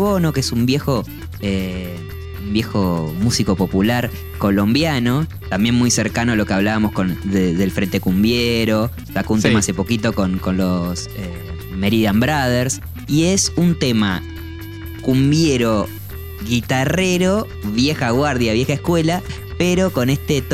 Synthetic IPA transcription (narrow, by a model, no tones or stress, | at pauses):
βo̞nokeesumbje̞xo̞ | e | umbje̞xomusiko̞po̞pulaɾ | ko̞lo̞mbjano̞ | t̪ambje̞nmujseɾkanolo̞keaβ̞laβamosko̞nðeðe̞lfɾe̞nt̪e̞kumbjeɾo̞ | sakount̪emaase̞po̞kit̪o̞ko̞nko̞nlo̞se | meɾiðambɾaðeɾs | iesunt̪ema̰ | kumbjeɾo | ɣit̪areɾo̞ | βje̞xaɣwaɾðjaβje̞xaehkwela | peɾo̞ko̞nest̪et̪